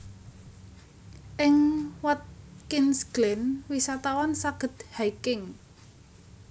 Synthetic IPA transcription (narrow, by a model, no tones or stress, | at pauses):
ʔɪŋwat̪̚kinsɡ̥lɛnwisat̪awansaɡ̥ə̤t̪̚hajkɪŋ